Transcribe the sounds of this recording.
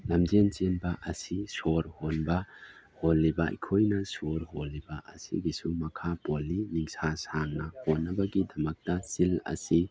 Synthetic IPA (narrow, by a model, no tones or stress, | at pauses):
lɐmd͡ʒent͡ʃenbɐʔɐsisoɾhonbɐ | holːibɐḭkʰojnɐsoɾholːibɐʔɐ̰sḭɡisumɐkʰapolːiniŋsasaŋnɐhonːɐbɐɡidɐmɐk̚tɐsilɐ̰si